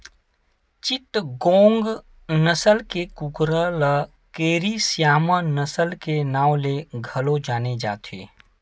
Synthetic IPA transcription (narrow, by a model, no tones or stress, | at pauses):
t͡ʃɪʈ̪ɡõːŋɡ | nəsəlkekukɾələ | keːɾisjaːmənəsəlkenaːwleɡʱɐlod͡ʒaːned͡ʒa̰ːt̪ʰḛː